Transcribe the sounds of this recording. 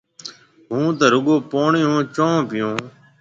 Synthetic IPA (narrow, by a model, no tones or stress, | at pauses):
ɦũːt̪əːɾʊɠoːpoːɳɪjõːt͡ʃõːpɪjõː